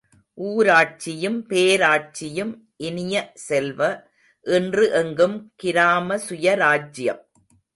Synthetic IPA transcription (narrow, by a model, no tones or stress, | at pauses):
ʔuːɾaːʈ̚t͡ʃɪjɯmpeːɾaːʈ̚t͡ʃɪjɯm | ʔɪnɪjɐsɛlʋɐ | ʔɛndrɯʔɛŋɡɯmkɪɾaːmɐsʊjɐɾaːd͡ʒɪjɐ̰m